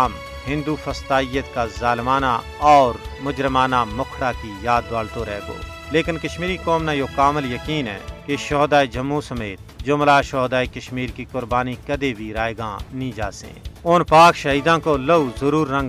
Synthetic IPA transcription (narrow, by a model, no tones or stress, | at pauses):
m | ɦɪ̃nd̪ufʰəst̪aːɪjət̪kazaːlmaːna | ɔːɾmʊd͡ʒɾəmaːnamʊkʰɽakijaːd̪̚ːaːɽt̪oɾɛːɡo̰ː | leːkɪnkəʃmiːɾikɔːmnajoːkaːməljəkiːnɦɛ̰ːkeʃɔːd̪aːed͡ʒəmːusɐmeːt̪̚d͡ʒoːmlaːʃɔːd̪aːikəʃmiːɾkikʊɾbaːnikɐd̪ebʱiɾaːjɡãnĩd͡ʒaːsḛ̃ːʊnpaːkʃəɦiːd̪ãːkoləuzəɾuːɾːə̃ŋɡ